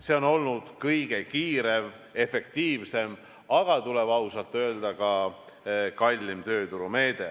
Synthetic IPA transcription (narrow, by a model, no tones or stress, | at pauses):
se̞o̞no̞lnud̪̥kɤjɡ̥e̞kiːɾe̞v | e̞fe̞k̚t̪iːvse̞m | ɑɡ̥ɑt̪uleb̥ɑusɑlt̪ːˑø̞eld̪̥ɑkɑ | kɑlʲːimt̪ø̞ːt̪uɾume̞ːd̪e̞